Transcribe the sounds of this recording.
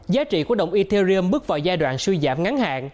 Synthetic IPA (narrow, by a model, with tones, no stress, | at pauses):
zaː˨˦t͡ɕḭ˧˨kwa˦˥ɗə̰˧˨wŋ͡mʔi˧t̪e˧zi˧ə˧mɓɨ˦˥ək̚va̰ː˧˨wzaː˧jɗwa̰ː˧˨nswi˧jza̰ː˧˩mŋa˨˦nha̰ː˧˨n